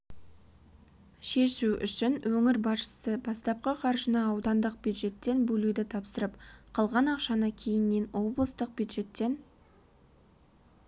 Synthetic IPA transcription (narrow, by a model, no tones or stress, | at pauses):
ʃe̞ʃuʏ̰ʃɪnwʔɵŋɪɾbɑsʃə̥səbɑst̪ɑp̚qəqʰɑɾʒənɑːwd̪ɑnd̪əq̚b̥ʲjud̪ʒe̞t̪ːe̞nbɵlud̪ɪt̪ʰɑpsəɾəpqʰɑlˠʁɑnɑqʃɑnəkʲʰe̞jɪnːe̞nwo̞blˠəst̪əq̚b̥ʲjud̪ʒe̞t̪ːe̞n